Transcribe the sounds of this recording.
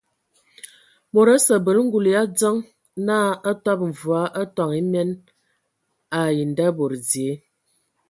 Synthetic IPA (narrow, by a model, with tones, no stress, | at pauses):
mo˨ɾə˦sə˨bə˨lŋ̩˦ɡu˨lja˦d͡zə˦ŋ | na˦ə˦tɔ˦p̚ɱ̩˨vu˨a˨˦ʔa˦tɔ˨ŋi˦mɛ˦n | a˨ji˨n˨da˦bo˨ɾd͡zje˨˦